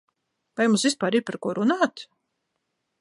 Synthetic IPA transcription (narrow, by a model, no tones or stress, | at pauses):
vajmusvʲispaːɾiːpaɾkuɔɾunaːt̪